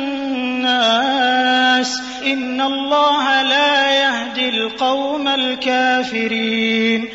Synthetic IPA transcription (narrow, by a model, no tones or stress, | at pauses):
aː | s | ʔɪnːalˤːɑːɦalaːjahd̪ɪlqɑwmalkaːfɪɾiːn